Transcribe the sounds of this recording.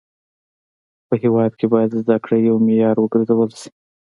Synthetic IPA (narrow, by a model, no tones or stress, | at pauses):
pəhewɑd̪̚kʰebɑjad̪zd̪akɽajawmejɑɾwəɡəɾzawəlsi̥